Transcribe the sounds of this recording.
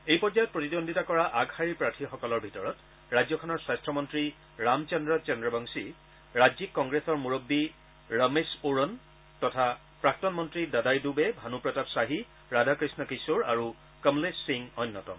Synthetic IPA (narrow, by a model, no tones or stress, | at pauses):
ejpɔɹd͡ʒajɔt̚pɹotidondʱitakɔɹaʔaɡhaɹiɹpɹatʰixɔkɔlɔɹbʱitɔɹɔt | ɹajd͡ʑzjɔkʰɔnɔɹswastʰɹɔmɔntɹi | ɹamt͡ʃɔndɹɔt͡ʃɔndɹɔbʱaŋsi | ɹazikːɔŋɡɹesɔɹmuɹobːi | ɹəmesoɹɔn | tɔtʰa | pɹak̚tɔnmɔntɹidadajdubɛbʱanupɹɔtapsaɦi | ɹadʱakɹisnɔkisuɹa̰ɹu | kəmlesːiŋɔjnːɔtɔ̰m